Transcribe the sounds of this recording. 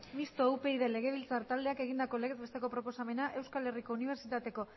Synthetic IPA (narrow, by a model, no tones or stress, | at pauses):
mist̪o̞upe̞iðe̞le̞ɣe̞βilt͡saɾt̪ald̪eake̞ɣind̪ako̞leɣezβest̪e̞ko̞pɾo̞po̞same̞naʔe̞wskale̞riko̞uniβ̞e̞ɾsit̪at̪e̞ko̞